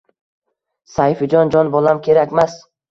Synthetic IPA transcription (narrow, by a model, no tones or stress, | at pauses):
sajfɪd͡ʒɒnd͡ʒɒnbɒlˠamkʲʰeɾakʲmas